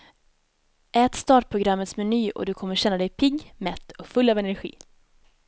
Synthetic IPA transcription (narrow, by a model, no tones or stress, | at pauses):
ʔɛːt̪st̪ɑːʈ̚pʰɾʊɡɾamːət̪smɛnyːʔɔ̰d̪ɵkʰɔmːəɾɕɛnːad̪ɛjpʰɪɡmɛt̪ːɔkfɵlːɑːvɛnæɾɧḭː